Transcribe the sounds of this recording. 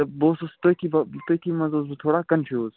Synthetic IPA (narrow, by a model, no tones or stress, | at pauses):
ɐboːsost̪okibɐt̪okimɐzoːzbut̪ʰoːɽaːkɐnfʰjuːz